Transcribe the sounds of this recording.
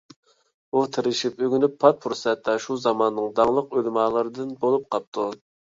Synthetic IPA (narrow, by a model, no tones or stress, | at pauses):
ut̪ʰɪɾɪʃipøɡʲynypːʰɑt̪̚fʰuɾsɛt̪ːɛʃuzɑmɑnnːɨŋd̪ɑŋlˠəqølmɑːlˠɨɾɨd̪ɨnbolˠup̚qʰɑp̚t̪ʰu